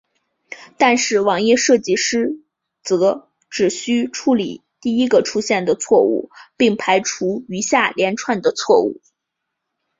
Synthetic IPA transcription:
t̪a˥˧nʂɻ̩˥˩wɑ˨˧˩ŋjɛ˥˧ʂɤ˥˧t͡ɕi˥˩ʂɻ̩˥ | t͡sɤ˧˥ | ʈ͡ʂɻ̩˨˩ɕy˥ʈ͡ʂʰu˥˩lḭ˨˩t̪i˥˩i˥ɡə˨ʈ͡ʂʰu˥ɕjɛ˥˩nd̪ə˩t͡sʰwɔ˥˧ṵ˥˩pi˥˩ŋpʰa˧˥ɪʈ͡ʂʰu˧˥y˧˥ɕja˥˩ljɛ˧˥nʈ͡ʂʰwa˥˩nd̪ə˩t͡sʰwɔ˥˧ṵ˥˩

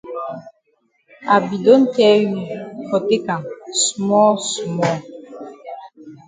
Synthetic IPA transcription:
a˨bi˨do˦nkɛ˦ɥi˨kɔ˨te˦ka˨ŋsu˨mɔ˦su˨mɔ˦˨

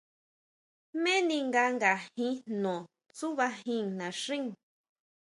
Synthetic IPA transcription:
mẽ˦nĩ˧ŋɡa˧ŋɡa˨hĩ˦nõ˨ | t͡su˦βa˧ɦĩ˦˧ŋnã˨ʂĩ˦ŋ

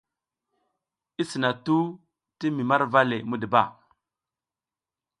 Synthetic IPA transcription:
i˦si˨na˨tu˦ | ti˦mi˨ma˦ɾva˦le˨mu˦də˨ba˦˨

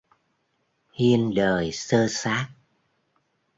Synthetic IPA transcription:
hi˧ənɗəː˨˩jsəː˧saː˦˥k̚

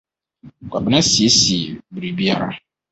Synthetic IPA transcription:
kʰʷa˨bɪ˨nã˦si˨e˦si˨e˨bɾi˨bi˦a˦ɾa̰˦

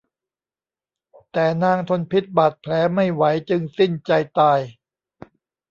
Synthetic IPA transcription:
t̪ɛː˨˩naː˧ŋt̪ʰo˧npʰi˦˥t̪̚ba˨˩t̪̚pʰlɛː˩˦ma˥˩jwa˩˦jt͡ɕɯ˧ŋsi˥˩nt͡ɕa˧jt̪aː˧j

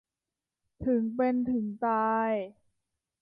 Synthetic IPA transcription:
t̪ʰɯ˨˩˦ŋpe˧nt̪ʰɯ˩˦ŋt̪aː˧j

